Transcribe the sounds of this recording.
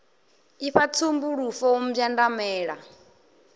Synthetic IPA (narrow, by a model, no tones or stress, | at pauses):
iɸat͡sʰumbuɺufɔwɔm̩vjandamɛːɺa